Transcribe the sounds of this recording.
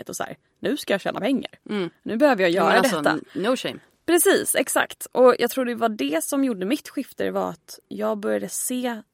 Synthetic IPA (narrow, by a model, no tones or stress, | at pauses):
ət̪ɔsæ̰ːɾ | nʉ̟ːskajɑːɕɛːna̰pʰɛŋːa̰ɾnʉ̟ːbɛhøːvəɾjɑːjœːɾad̪ɛt̪ːa̰noʃɛm | pʰɾɛsiːsɛksa̰kt̪ʔɔjɑ̰ɡt̪ʰɾuːɖɛvaɖɛsɔmjuɖːəmɪt̪ːɧɪft̪ə̰ɾvaɾa̰t̪jɑːɡ̚bœɾjad̪əseː